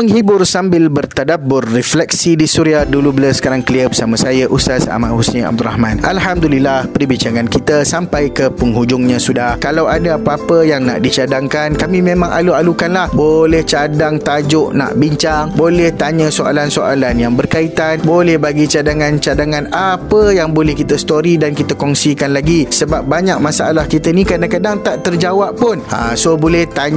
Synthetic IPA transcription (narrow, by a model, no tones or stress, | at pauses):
məŋɦibʊrsambɪlbərt̪adabʊrːɛflɛk̚sidisuɾiahdulubələsə̥kaɾaŋkəliəbəsamãsajaʔust̪asa̰manhusena̰b̚d̪ura̰hmãnʔa̰lɦamd̪ulilːahpəɾibiɲt͡ʃaŋãnkit̪asampajkəpəŋɦud͡ʒʊŋɲãsudahkalawadaapaapəjaŋna̰ʔdit͡ʃadaŋkankamĩmẽmãŋʔa̰lualukanlahbolɛht͡ʃadaŋt̪ad͡ʒʊʔna̰ʔbiɲt͡ʃaŋbolɛht̪aɲãsoa̰lansoʔa̰lanjaŋbərkait̪anbolɛhbaɡit͡ʃadaŋãnt͡ʃadaŋãnapəjaŋbolɛhkit̪əst̪oɾidankit̪əkɔŋsikanlaɡisəbap̚baɲak̚masaalahkit̪ənĩkadaŋkadaŋt̪aʔt̪ərd͡ʒawappʊna̰sobolɛht̪aɲ